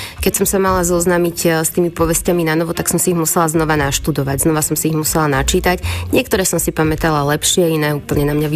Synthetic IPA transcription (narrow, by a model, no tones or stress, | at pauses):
kɛcsɔmsamalazɔznamicst̪iːmipɔʋɛscaminanɔʋɔt̪aksɔmsiiɦmusɛlaznɔʋanaʃt̪ud̪ɔʋaɟznɔʋasɔmsiiɣmusɛlanat͡ʃiːt̪acɲɪɛkt̪ɔɾɛːsɔmsipamɛt̪alalɛpʃɪɛinɛːuːpl̩ɲɛnamɲaʋi